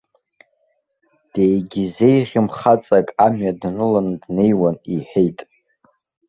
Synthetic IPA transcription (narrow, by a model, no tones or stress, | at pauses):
d̥ejɡʲize̞jʁʲɪmχat͡sʼakʼamɥadnɨlandne̞jwaniħᶣejtʼ